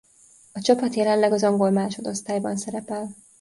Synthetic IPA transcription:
ɒt͡ʃɒpɒt̪jɛlɛnlɛɡɒzɒŋɡo̞lmaːʃo̞d̪o̞st̪aːjbɒnsɛɾɛpɛl

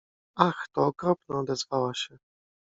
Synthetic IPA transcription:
axt̪ɔːkɾɔpnɔːd̪ɛzvawaɕɛ

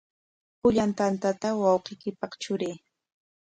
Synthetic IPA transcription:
pʊʎant̪ant̪at̪awɑwqɪjkɪpɑχt͡ʃʊɾeː

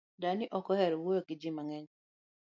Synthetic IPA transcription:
danɪʔɔkɔhɛɾɔwojokɪd͡ʒimaŋɛɲ

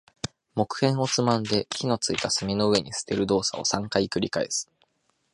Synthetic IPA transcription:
mo̞kɯ̟̥hẽ̞ɰ̃o̞t͡sɨmãnd̪e̞kʲino̞t͡sɨit̪asɨmʲino̞ɯ̟e̞ɲ̟isɨ̥t̪e̞ɾɯ̟d̪o̞ːsa̰o̞̰sãŋkaikɯ̟ɾʲikae̞̰sɨ̥

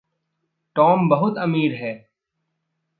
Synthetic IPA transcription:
ʈɔːmbɐɦʊt̪ɐmiːɾɦɛː

